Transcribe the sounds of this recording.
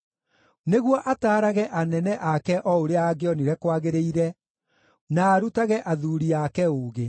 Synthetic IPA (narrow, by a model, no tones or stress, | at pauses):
neɣwɔʔataːɾaɣɛʔanɛnɛʔakɛʔɔoɾeaːɡeɔniɾɛkwaɣeɾeiɾɛ | naːɾutaɣɛʔaðuːɾiakɛoːɣe